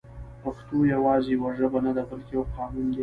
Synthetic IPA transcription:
paxt̪ojawɑzewaʐəbanad̪abalkejawqɑːnund̪e

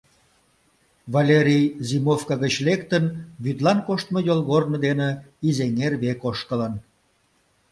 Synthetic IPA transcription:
βalʲeɾʲijzimofkɑɣət͡ɕlekt̪ənβyd̪lɑnkoʃt̪məjolˠɣornə̆d̪enĕizeŋerβekoʃk̪ələn

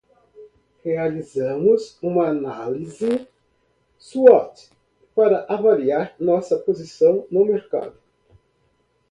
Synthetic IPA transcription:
healizɐ̃mʊzũmɐːnalizɪ | suɔt̪ | paɾɐʔavaliaɾnɔsɐpozisɐ̃w̃nʊmeɾka̰d̪ʊ

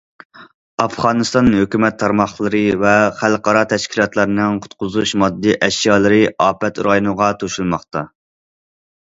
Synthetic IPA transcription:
ɑfʁɑːnɨst̪ɑnhøkʲymɛt̪ʰːɑɾmɑχlˠɨɾɨvɛχælˠqɑɾɑt̪ʰɛʃkʲʰilˠɑt̪lˠɑɾnɨŋqʰʊ̥t̪qʊzuʃmɑd̪ːiʔɛʃjɑːlˠɨɾɨʔɑːpɛt̪ɾɑjunɨʁɑt̪ʰoʃulˠmɑχt̪ɑ

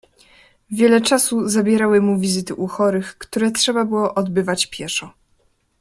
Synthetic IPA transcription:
vʲjɛlɛt͡ʂasuzabʲjɛɾawɘmuvʲizɘt̪ɘʔuxɔɾɘxkt̪uɾɛtʂɛbabɘwɔʔɔd̪bɘvat͡ɕpʲjɛʂɔ

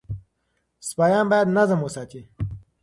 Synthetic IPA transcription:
spajɑːnbajad̪nazəmosaːt̪i

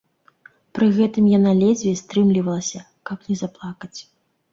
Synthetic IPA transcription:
pɾɨɣɛt̪ɨmjanalʲɛd͡zʲvʲɛst̪ɾɨmlʲivɐlˠɐsʲɐ | kɐpnʲɛzaplˠakɐt͡sʲ

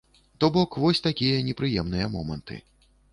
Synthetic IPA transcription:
t̪ɔbɔkvɔsʲt̪akʲijɐnʲɛpɾɨjɛmnɨjɐmɔmɐnt̪ɨ̰

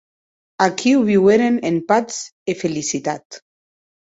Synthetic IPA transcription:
akʰiwβiweɾenempat͡sefelisit̪at̪

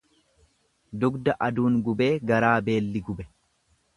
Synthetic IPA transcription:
d̪ʊɡd̪ɐʔɐd̪uːŋɡʊbe̞ːɡɐɾaːbe̞ːlːɪɡʊbɛ

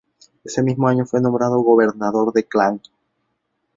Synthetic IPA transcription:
e̞se̞mizmoaɲo̞fwe̞nombɾað̞oɣo̞βe̞ɾnaðo̞ɾðe̞klaŋ

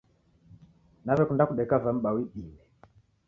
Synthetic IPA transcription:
navɛkundakuɗɛkavam̩ɓawiɗilɛ

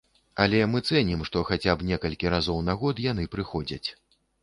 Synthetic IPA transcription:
ɐlʲɛmɨt̪sɛnʲimʂt̪ɔxat͡sʲabnʲɛkɐlʲkʲiɾazɔwnaɣɔt̪jan̪ɨpɾɨxɔd͡zʲɐt͡sʲ

